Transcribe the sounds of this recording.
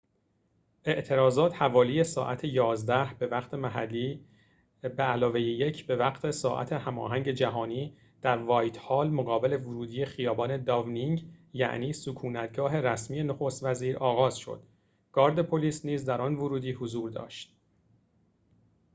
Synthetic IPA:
ʔe̞ʔt̪ʰe̞ɾɒːzɒːt̪hævɒːlije̞sɒ̰ːʔæt̪ʰe̞jɒːzd̪æhb̥e̞væɣt̪ʰe̞mæɦælːiː | beælɒːvejeje̞cʰbe̞væɡt̪ʰesɒːʔæ̰t̪ʰe̞hæmɒ̰ːɦæŋɟe̞d͡ʒæɦɒːniː | d̪̥æɾvɒːjt̪ʰhɒːlmoɣɒːbe̞le̞voɾuːd̪iːje̞xijɒːbɒːne̞d̪ɒvniŋɟjæ̰ʔniːsukʰuːnæt̪ɡɒːɦe̞ræsmiːje̞noxost̪væziːɾɒːɣɒːz̥ʃo̰d̪̥ | ɡ̥ɒːɾd̪e̞pʰoliːsniːzd̪æɾɒnvʊɾuːd̪iːhozuːɾd̪ɒ̰ːʃt̪̚

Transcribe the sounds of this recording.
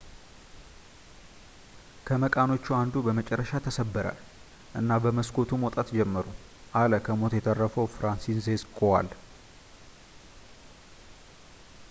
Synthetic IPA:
kʰəməkʼano̞t͡ʃːuand̪ubəmət͡ʃʼɛrːəʃat̪ʰəsəbːəɾa̰l | ʔɨnːabəməskʰo̞t̪ʰumwɔt̪ʼat̪d͡ʒɛmːəɾu | ʔaləkʰəmo̞t̪jɛt̪ʰʼərːəfəwfɾansinzeskʼowa̰l

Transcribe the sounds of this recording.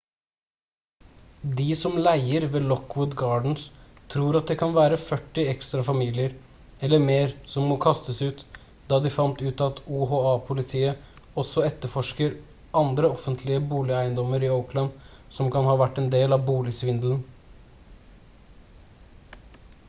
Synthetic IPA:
d̪ɪsɔmlæɪəɾʋeːlɔkːwʊd̪ɡɑːɖɳ̩st̪ʰɾuːɾɑt̪̚d̪ɛkʰɑnʋæːɾəfœʈːɪɛkst̪ɾɑfɑmiːlɪəɾ | ɛlːəɾmeːɾsɔmmoːkʰɑst̪əsʉːt̪ | d̪ɑːd̪ɪfɑnt̪ʉːt̪ɑt̪uːɦoːɑːpʰʊlɪt̪ʰiːə | ɔsɔɛt̪ːəɾfɔʂkəɾ | ʔɑnd̪ɾəɔfənt̪ʰlɪəbuːlɪæɪənd̪ɔmːəɾɪəʊkləm | sɔmkɑnhɑːʋæʈːɛnd̪eːlɑbuːlɪsʋɪnd̪l̩n̩

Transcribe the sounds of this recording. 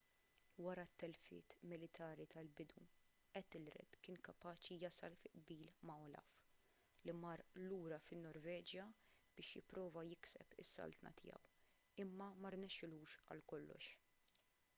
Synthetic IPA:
wɐɾɐt̪ːɛlfɪ̰ːt̪mɪlɪt̪ʰɐːɾit̪ʰɐlbɪd̪u | ɛt̪ːɪlɾɛ̰d̪kɪːnkɐpɐːt͡ʃijɐsɐ̰lfɪʔbiːlmɐɔlɐ̰f | limɐɾluːɾɐfɪnːɔɾvɛːd͡ʒjɐb̥ɪːʃjɪ̰pːɾɔːvɐjɪksɛ̰pɪ̰sːɐ̰lt̪nɐ̰t̪ʰɪjɐ̰w | ɪmːɐmɐɾnɛʃːɪluːʃɐ̰lkɔlːɔ̰ʃ

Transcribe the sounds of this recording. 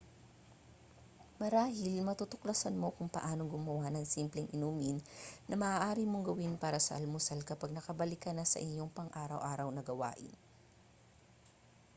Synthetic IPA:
mɐɾaːɦɪlmɐt̪ot̪ʊklɐsɐnmo̞kʊŋpɐ̰ʔaːno̞ŋɡʊmɐwanɐŋsimplɛŋʔɪnuːmɪnːʔɐmɐʔaːʔaːɾimo̞ŋɡɐwɪnpaːɾɐsɐʔɐlmʊsɐlkɐpɐɡ̚nɐkɐbɐlɪkɐnɐsɐ̰ʔɪɲjo̞ŋpɐŋʔaːɾɐwʔaːɾɐwnɐɡɐwa̰ːʔɪ̰n

